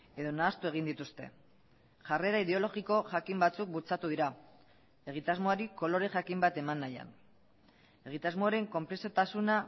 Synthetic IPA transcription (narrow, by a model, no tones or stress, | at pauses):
e̞ðo̞naːst̪ue̞ɣ̞ind̪it̪ust̪e̞̰ | ʝare̞ɾaiðe̞olo̞ɣiko̞ʝakimbat͡suk̚but͡sat̪uð̞iɾa | e̞ɣ̞it̪azmoaɾiko̞lo̞ɾe̞ʝakimbat̪e̞manːaja̰n | e̞ɣ̞it̪azmoaɾe̞ŋko̞mpɾe̞sio̞t̪asuna